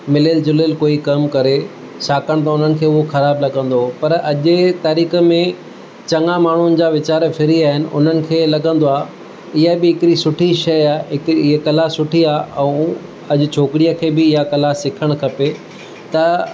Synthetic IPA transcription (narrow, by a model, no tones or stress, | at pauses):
mɪleld͡ʑʊlelkoːikɐmkɐɾe | saːkəɽ̃t̪̬ɐʊn̤ənɪ̆kʰeːʊɦoxɐɾaːblɐɠə̃n̆d̪opɐɾɐʄɪt̪aːɾiːxəmẽ | t͡ɕɐŋamaːɳ̤ʊnɪ̆d͡ʑaːʋɪt͡ɕaːɾfɪɾiaːɦɪnɪ̆ʔʊ̰n̤ənɪ̆kʰeːlɐɠə̃nd̪oaː | ɪɦəbɪɦɪkɾisʊʈʰiʃɐjaːɦɪkiɪɦekɐlasʊʈʰiaːɛ̃ | ɐʄʊ̆t͡ɕʰoːkɪɽijəkʰeːbɪɪɦakɐlasɪkʰəɽ̃kʰɐpe | t̪ɐ